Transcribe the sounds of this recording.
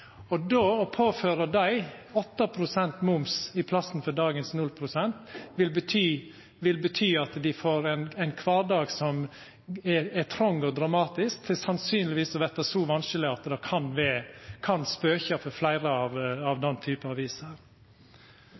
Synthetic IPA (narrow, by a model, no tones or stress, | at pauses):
ɔd̪oːɔpʰoːføːɾəd̪æɪɔt̪ːɑpʰɾʊsɛnt̪mʊmsɪpʰlɑsən̩fɔɖɑːɡənsnʉlpʰɾʊsɛnt̪ʋɪlbət̪ʰyː | ʋɪlbət̪ʰyːɑt̪d̪ɪfoːɾænæɪnkʰʋɑːɖɑːɡsɔm | ɛɛt̪ʰɾɔŋːɔd̪ɾɑmɑːt̪ɪskt̪ʰɪsɑnsyːnlɪʋiːsɔʋɛt̪ːɑsɔʋɑnsəlɪɑt̪d̪ɑːkʰɑnʋɛkʰɑnspøːçɑfɔɾflæɪɾəɑʋɑʋd̪ɛnːt̪ʰyːpəɑʋiːsəɾ